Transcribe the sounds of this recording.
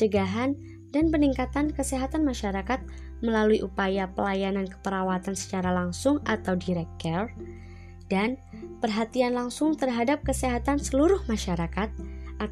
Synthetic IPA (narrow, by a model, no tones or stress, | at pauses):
t͡ʃəɡaɦan | danpəniŋkat̪ankəseɦat̪anmaʃaɾakat̪̚ | məlaluiʔupajapəlajanankə̥pəɾawat̪ansə̥t͡ʃaɾalaŋsʊŋat̪awdiɾɛk̚kɛr | dan | pərɦat̪ianlaŋsʊŋt̪ərɦadap̚kəseɦat̪ansəluɾʊhmaʃaɾakat̪̚a